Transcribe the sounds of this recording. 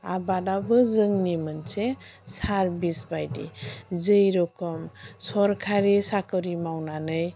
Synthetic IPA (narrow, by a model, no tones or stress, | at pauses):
abadabɯzɯŋnimɯnse | saɾbisbajdḭzɯjɾɔkɔmsɔɾkʰaɾisakɯwɾimawnanɯj